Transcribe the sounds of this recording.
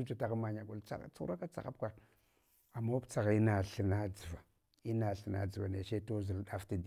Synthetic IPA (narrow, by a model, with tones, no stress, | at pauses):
u˦d͡ʒa˨ta˦ɣa˦ma˨ɲa˨ɡu˨lt͡sa̰˦˨t͡su˦u˦a˦ka˦t͡sa̰˨ɣa̰˦p̚kʷa˦˨ɾ | a˨ma˦pt͡sa˨ɣi˦na˨ɬə˨na˦d͡zə˨va˨ | i˦na˨ɬə˨na̰˨d͡zə˨va˨ne˨ʃe˦to˦zi˨lɗa˦fti˦d